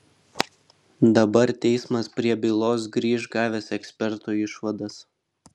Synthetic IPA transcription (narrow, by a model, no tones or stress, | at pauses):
d̪ɐbɐɾt̪ʲɛɪsmɐspʲɾʲiɛbʲɪlˠoːs̬ɡɾʲiːʒɡɑːʋʲɛsɛksʲpʲɛɾt̪uːɪʃʋɐd̪ɐs